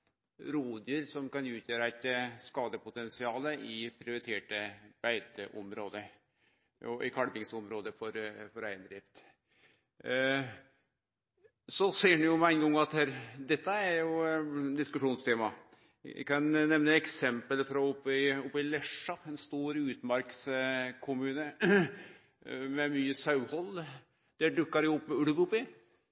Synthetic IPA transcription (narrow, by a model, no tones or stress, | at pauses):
ɾuːd̪əəɾsɔmkɑnʉːt̪ʰjøːɾəɑæt̪skɑːd̪əpʊt̪ɛnsɪɑːləɪpʰɾɪʊɾɪt̪ʰeːʈəb̥æɪt̪əʔɔmɾoːd̪ə | ɔʔɪkʰɑɽbɪŋsɔmɾoːd̪əfɔɾfɔɾæɪənd̪ɾɪːft̪ | sɔseːɖnjʊmɛæɪnɡɔŋːɑt̪hæːɾd̪ɛt̪ːəæɾjʊd̪ɪskʉʂuːnst̪ʰeːmɑ | ɪ̰kɑnnɛʋnəɛksɛmpəlfɾɔʊpːɪɔpːɪlɛʂɑɛnst̪uːɾʉːt̪mɑɾkskʰʊmʉːnə | mɛmyːəsɑʉhɔlː | d̪̥æɖʉkːɑɾjʊʊpːʉɽʋʊpːɪ